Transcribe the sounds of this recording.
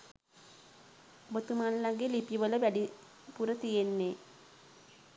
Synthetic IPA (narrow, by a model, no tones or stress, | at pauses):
bot̪umanlaɡelipjiʋələʋæɖi | puɾət̪ijenːe